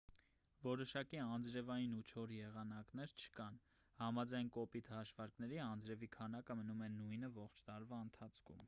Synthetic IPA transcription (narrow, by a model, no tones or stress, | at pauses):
vɔɾɔʃɑkiɑnd͡zɾɛvɑjinut͡ʃʰɔɾjɛʁɑnɑknɛɾt͡ʃʰə̥kɑn | hɑmɑd͡zɑjnkɔpit̪hɑʃvɑɾknɛɾiɑnd͡zɾɛvikʰɑnɑkəmənumɛnujnəvɔχt͡ʃʰt̪ɑɾvɑənt̪ʰɑt͡sʰkʰṵm